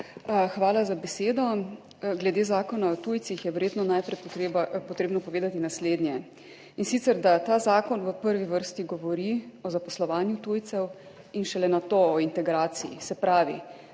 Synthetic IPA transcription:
xʋaːlazabɛseːd̪ɔ | ɡlɛd̪eːzaːkɔnaɔt̪ujtsixjɛʋɛɾjeːt̪nɔnajpɾɛjpɔt̪ɾeːbnɔpɔʋeːd̪at̪inasleːd̪njɛ | insit̪sɛɾd̪at̪aːzaːkɔnʋəpəɾʋiʋəɾst̪iɡɔʋɔɾiɔzapɔslɔʋaːnjut̪uːjt̪sɛw | inʃɛlɛnat̪oɔint̪ɛɡɾaːt̪siḭsɛpɾaːʋi

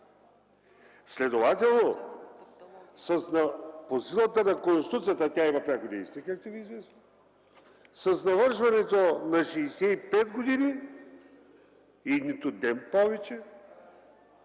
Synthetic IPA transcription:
slɛd̪ovat̪ʲɛlˠno | sɐsnɐposilˠət̪ənɐkõnst̪i̥t̪ut̪sijɐt̪ɐt̪ʲaimɐpɾʲakod̪ɛ̰jsʲɛjkak̚t̪oɛvʲiːzvɛsə | sɐsnɐvɤɾʃvɐnɛt̪onɐʃɛːsɛipɛd̪ɡod̪ini | init̪ʊd̪ɛnpɔvɛt͡ʃɛ

